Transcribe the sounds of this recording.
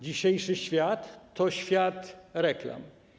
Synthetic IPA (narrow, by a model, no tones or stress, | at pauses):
d͡ʑiɕejʂɘɕfʲjat̪ːɔɕfʲjat̪ɾɛkla̰m